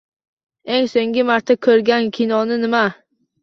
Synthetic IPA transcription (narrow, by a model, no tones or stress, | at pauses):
e̞ŋsoŋɡʲɪmaɾt̪ʰakʲʰɵɾɡʲankʲʰinɒnɪnɪma